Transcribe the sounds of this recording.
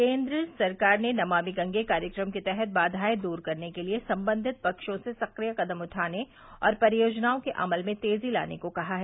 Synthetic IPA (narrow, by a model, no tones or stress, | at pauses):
kẽːnd̪ɾəsɐɾkaːɾnenɐmaːmiɡɐ̃ŋɡekaːɾjəkɾəmket̪ɛɦɛt̪̚baːd̪ʱaːed̪uːɾkɐɾnekeliesɐ̃mbə̃nd̪ʱɪt̪̚pɐkʃõsesɐqɾijakɐd̪əmʊʈʰaːne | ɔ̰ːɾpɐɾɪjoːd͡ʒnaːõkeʔɐ̰məlmẽt̪eːzila̰ːnḛkokɐɦaɦɛː